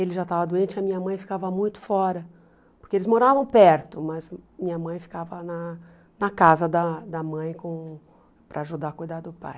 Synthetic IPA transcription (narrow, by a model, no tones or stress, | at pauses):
elɪʒat̪avɐd̪uẽnt͡ʃɪɐmĩɲɐmɐ̃j̃fi̥kavɐmũj̃t̪ʊ̥fɔɾɐ | poɾkeelɪzmoɾavɐ̃w̃pɛɾt̪ʊmɐzmĩɲɐmɐ̃j̃fi̥kavɐnɐ | nɐkazɐd̪ɐd̪ɐmɐ̃j̃kõ | pɾʔɐːʒud̪akujd̪aɾd̪ʊpa̰j